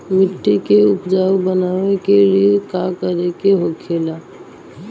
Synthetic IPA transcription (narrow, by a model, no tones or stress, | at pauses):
mɪʈːikeʊpd͡ʒaːubənaʋekeɾiekakəɾekeɦokʰeːla